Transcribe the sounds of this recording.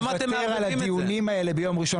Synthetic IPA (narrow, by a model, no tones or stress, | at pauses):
at̪ | eʁalat̪iunimae̞le̞bejo̞mʁiʃo